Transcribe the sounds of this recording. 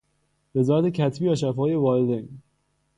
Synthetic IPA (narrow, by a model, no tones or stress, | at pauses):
ve̞zɒːɾæt̪ʰecʰæt̪ʰbiːvæʃæfɒːjevɒːɾed̪e